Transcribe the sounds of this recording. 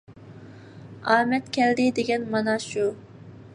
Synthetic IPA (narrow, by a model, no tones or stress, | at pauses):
ɑːmɛt̪kʲʰɛld̪ɪd̪eɡʲɛnmɑnɑʃu